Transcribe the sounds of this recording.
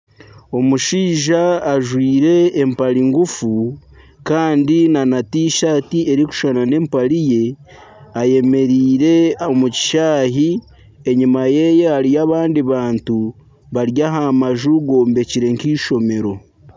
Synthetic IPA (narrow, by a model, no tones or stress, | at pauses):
o̞muʃiːʒaːʒwiːɾe̞ːmpaɾiŋɡufu | kaːndinanatiːʃaːtie̞ɾiku̥ʃanane̞mpaɾije̞ | aje̞me̞ɾiːɾe̞omuci̥ʃaːɦi | eɲimaje̞jehaɾijaβaːndiβaːntu | βaɾjaɦamaʒuɡo̞ːmbe̞ciɾe̞ŋkiːʃo̞me̞ɾo̞